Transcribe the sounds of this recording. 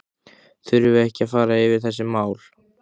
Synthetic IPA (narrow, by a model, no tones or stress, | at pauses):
θʏɾʏvʏɛhcɪafaːɾaɪvɪɾ̥θɛsːɪmaːwl